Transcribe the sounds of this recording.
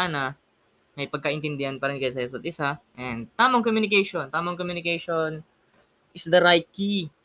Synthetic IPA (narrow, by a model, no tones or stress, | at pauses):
anɐ | mɐjpɐɡ̚kɐʔɪnt̪ɪnd̪ɪhɐnpɐɾɪnkɐjs̬ɐjos̬ɐt̪̚ʔɪsaʔɛnd̪t̪aːmɐŋkomjunɪkejʃont̪aːmɐŋkomjʊnɪkejʃon | ʔɪsd̪ɐɾajt̪̚ki